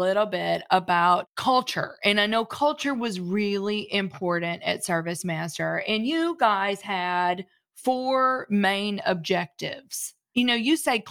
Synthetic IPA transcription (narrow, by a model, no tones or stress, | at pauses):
lɪɾl̩ˠbɪɾəbaʊt̚kʰʌlˠt͡ʃə̰˞ɨ̃naɪnoʊkʰʌlˠt͡ʃə˞wʌzɹɪlˠiʔɪ̃mpʰɔɹʔn̩tɨ̰tsɜ˞vɨsmæstə˞ɨ̃njɨɡaɪz̥ɨd̥ | fɔɹmẽɪ̃nɨ̰b̚d͡ʒɛk̚tɪ̰vz̥ | jɨnoʊjɨseɪ